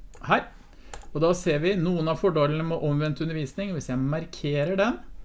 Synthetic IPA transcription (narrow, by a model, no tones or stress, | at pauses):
hæːɾ | ɔd̪ɑːseːɾʋɪnuːənɑfɔɖɑlənəmɛʔɔmʋɛnt̪ʉnːəɾʋiːsnɪŋʋɪsjæɪmɑɾkʰeːɾəɖɛm